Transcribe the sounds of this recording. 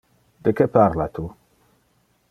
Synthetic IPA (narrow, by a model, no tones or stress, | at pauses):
d̪̥ekepaɾlat̪u